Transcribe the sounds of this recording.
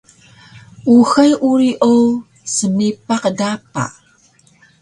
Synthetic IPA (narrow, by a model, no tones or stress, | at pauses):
ʔuxajʔuɾiʔow | səmipaqdapa̰